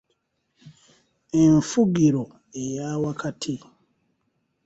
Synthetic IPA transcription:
e̞ɱfuɡiɾo | ejaːwakʰatʰi

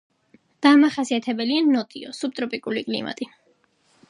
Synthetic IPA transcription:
d̪̥amaχasiat̪ʰɛbɛlianɔt̪ʼiɔ̰sup̚t̪ʼɾɔpʼikʼulikʼlḭma̰t̪ʼi

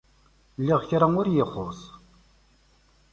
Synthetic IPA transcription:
lːiʁçɾaŋʊɾjəχːosˤ

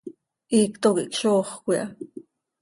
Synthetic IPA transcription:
ʔiːkt̪okḭʔkʃoːχkʷiʔɑ̰

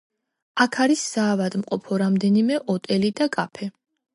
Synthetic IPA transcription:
akʰaɾisːaːvad̪mqʼɔpʰɔɾamd̪ɛnimɛʔɔt̪ʼɛlid̪akʼapʰɛ

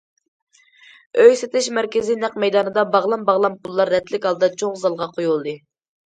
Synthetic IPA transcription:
øjset̪ɪʃmɛɾkʲɪzinɛq̚mɛjd̪ɑːnɨd̪ɑbɑʁlˠɑmbɑʁlˠɑmqʊlˠːɑɾːɛt̪lɪkʲhɑlˠɨd̪ɑt͡ʃʰoʁzɑlˠʁɑqʰojulˠd̪ɨ

